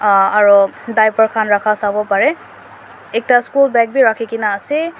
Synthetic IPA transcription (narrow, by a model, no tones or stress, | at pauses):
aɹudajpɔɹkʰanɹakʰasabɔpaɹɛ | ɛk̚taskulbɛk̚biɹakʰikinaːsɛ